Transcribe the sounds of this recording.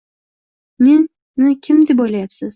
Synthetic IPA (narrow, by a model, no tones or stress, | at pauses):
nenː | ɪkʲʰɪmd̪ɪbojlajapsɪz̥